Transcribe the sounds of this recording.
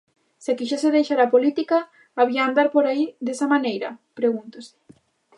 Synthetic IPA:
sɪakiʃeseðejʃaɾapolit̪ikaː | βiaːnd̪aɾpoɾaiðesamanejɾɐpɾeɣ̞unt̪osɪ̥

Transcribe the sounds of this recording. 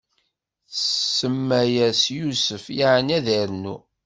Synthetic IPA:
sːəmːæjæsjusəfjaʕənæðəɾnṵ

